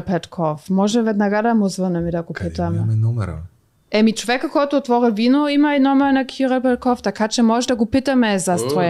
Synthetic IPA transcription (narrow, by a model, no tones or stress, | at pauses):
pɛt̪kʰɔfmɔʒɛvɛd̪naɡad̪amozvənɛmid̪aɡopit̪amɛɔɛ | ɛmit͡ʃovɛkakɔjt̪oːt̪vɔɾivinoimainɔmɛɾnakʰiɾapɛt̪̚kɔft̪akat͡ʃɛmɔʒɛd̪aɡopit̪amɛzast̪vɔ